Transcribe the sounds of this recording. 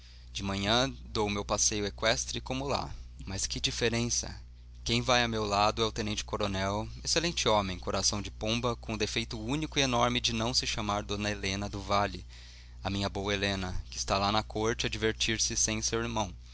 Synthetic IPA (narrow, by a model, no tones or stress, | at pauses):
d͡ʒɪmɐ̃ɲɐ̃d̪owʊmewpasejʊekwɛst̪ɾɪkõmʊla̰mɐskɪd͡ʒifeɾẽsɐ̰ | kẽj̃vajɐmewlad̪ʊɛʊt̪ẽnẽnt͡ʃɪ̥koɾonɛweselẽnt͡ʃɪomẽj̃koɾasɐ̃w̃d͡ʒɪpõmbɐkõʊd̪efejt̪ʊũnikʊienɔɾmɪd͡ʒɪnɐ̃w̃sɪʃamaɾd̪õnɐelẽnɐd̪ʊvalɪ | ɐmĩɲɐbowɐelẽnɐkɪst̪alanɐkoɾt͡ʃɪɐd͡ʒiveɾt͡ʃiɾsɪsẽj̃sewiɾmɐ̃w̃